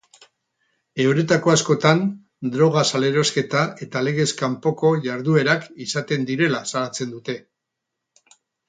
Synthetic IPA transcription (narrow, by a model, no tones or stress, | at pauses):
e̞wɾe̞t̪ako̞asko̞t̪an | d̪ɾo̞ɣ̞asale̞ɾo̞ske̞t̪ae̞t̪ale̞ɣ̞e̞skampo̞ko̞ʝaɾðue̞ɾakisat̪e̞nd̪iɾe̞lasalat͡se̞nd̪ut̪e̞